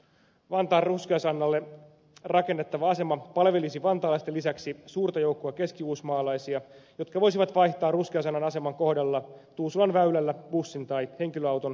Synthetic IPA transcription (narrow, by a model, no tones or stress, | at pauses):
ʋɑnt̪ɑːrruskiɑsɑnːɑlːe | rɑke̞nːet̪ːɑʋɑɑse̞mɑpɑlʋe̞lisiʋɑnt̪ɑːlɑist̪elːisæksisuːrt̪ɑjo̞uwkːoɑke̞skiuːsmɑːlɑjsiɑjo̞t̪kɑʋo̞js̬iʋɑt̪ʋɑjht̪ɑːrruskiɑs̬ɑnːɑnɑse̞mɑŋko̞hdɑlːɑt̪uːsulɑnʋæylælːæb̥usːint̪ɑjhe̞ŋkiløɑwt̪on